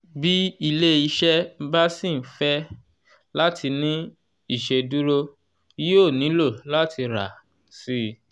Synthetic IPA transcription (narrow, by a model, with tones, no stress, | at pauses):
bi˦i˧le˦i˦˧ʃɛ˦m̩˦ba˦sĩ˦˨˦fɛ˦ | la˦tʰi˧nĩ˦ | i˦˨ʃe˧du˦ɾo˦ | i˦o˦˨nĩ˨˦lo˦˨la˦ti˧ɾa̰˨ | si˦˧